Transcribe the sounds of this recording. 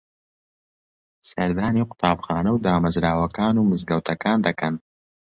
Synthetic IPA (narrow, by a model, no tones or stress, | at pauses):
sɐɾd̪aːniqʊ̥t̪ɑːbxɑːnawd̪aːmɐzɾaːwɐkaːnumɨzɡɐwt̪ʰɐkɑːnd̪ɐkɐn